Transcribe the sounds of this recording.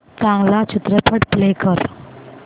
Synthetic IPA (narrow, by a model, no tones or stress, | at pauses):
t͡sãŋɡlat͡ɕʰit̪ɾəpʰəʈplekəɾ